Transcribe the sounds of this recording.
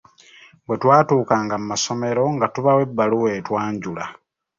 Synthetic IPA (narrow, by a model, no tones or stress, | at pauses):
bwe̞twaːtuːkaːŋɡamumaso̞me̞ɾo̞ŋɡatuβawe̞bːaluwe̞ːtwaːɲɟula̰